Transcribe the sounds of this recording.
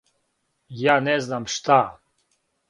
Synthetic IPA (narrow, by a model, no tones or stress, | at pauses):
jaːneznamʃt̪a